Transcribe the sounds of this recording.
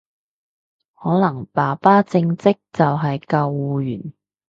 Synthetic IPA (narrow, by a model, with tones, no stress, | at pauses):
hɔː˨˥lɐ˨˩ŋpaː˨˩paː˥t͡sɪ˧ŋt͡sɪ˥k̚t͡sɐ˨wɦɐ˨jkɐ˧wuː˨˧jy̰ː˨˩n